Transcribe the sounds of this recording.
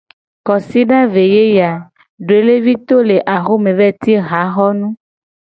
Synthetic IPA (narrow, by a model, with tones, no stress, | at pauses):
kɔ˨si˦ɖã˦ve˨je˦ja˨ | ɖo˨e˨˦le˦vi˦t̪o˦le˨ʔa˨xo˦mẽ˨vɛ˦t̪i˦ɣa˨˦xɔ˦nũ˦